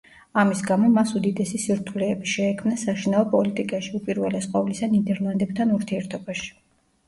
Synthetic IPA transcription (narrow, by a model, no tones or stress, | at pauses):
amisɡamɔmasud̪id̪ɛsisiɾt̪ʰulɛːbiʃɛːkʰmnasaʃinaɔpʼɔlit̪ʼikʼaʃiupʼiɾvɛlɛsqʼɔvlisanid̪ɛɾlˠand̪ɛb̚t̪ʰanuɾt̪ʰiɛɾt̪ʰɔbaʃi̥